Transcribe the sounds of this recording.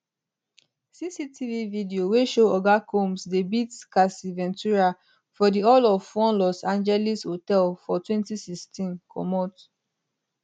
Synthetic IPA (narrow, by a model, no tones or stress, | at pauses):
sisitʰivividioweʃoɔɡakʰomsdebitkasivɛ̃ntuɹa | fɔdiɔlɔffɔ̃nlɔsãnd͡ʒɛlishotɛlfɔtwɛ̃ntisikstĩnkʰɔ̰mɔt